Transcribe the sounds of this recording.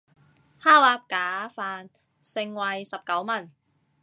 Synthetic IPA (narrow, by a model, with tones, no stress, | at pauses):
haː˥˩waː˧˥p̚kaː˨˥faː˨˧n | sɪ˨˧ŋwɐ˧jsɐ˨p̚kɐ˨˥wmɐ˨˩n